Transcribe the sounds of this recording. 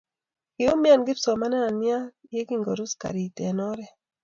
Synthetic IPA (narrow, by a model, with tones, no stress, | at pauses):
kɪ˨o˦mja˦nɡɪ˦psɔ˨ma˦na˦a˨nja˦je˦ki˦ŋɡo˨ɾu˦ska̰˨ɾi˨tɛ˨nɔ˦ɾɛ˨